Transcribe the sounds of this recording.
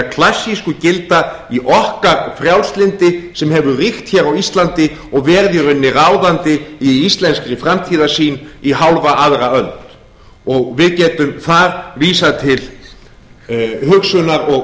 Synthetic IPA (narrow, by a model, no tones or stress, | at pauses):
kʰlasːiskʏcɪlt̪aiʔɔhkaɾfɾjawlst̪lɪnt̪ɪsɛmɦɛvʏrixt̪çɛːɾawist̪lant̪ɪ | ɔɣvɛːɾðʏɾʏnːɪraːwðant̪ɪiist̪lɛnskɾɪfɾamt̪ʰiːðasiːniɦawlvaʔaðɾaœlt̪ | ɔɣvɪðcɛːt̪ʏmθaɾviːsat̪ʰɪl | hʏksʏnaɾɔɣ